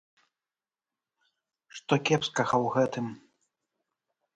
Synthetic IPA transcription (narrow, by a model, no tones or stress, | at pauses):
ʂt̪ɔkʲɛpskɐɣɐwɣɛt̪ɨm